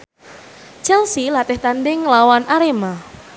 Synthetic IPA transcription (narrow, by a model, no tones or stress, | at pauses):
t͡ʃɛlsilat̪ɪht̪andɪŋlawanʔaɾema